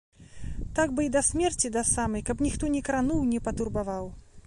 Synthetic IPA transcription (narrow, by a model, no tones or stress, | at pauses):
t̪aɡ̚bɨid̪ɐsʲmʲɛrt͡sʲid̪asamɐjkɐpnʲixt̪ɔnʲɛkɾanuwnʲɛpɐt̪urbavaw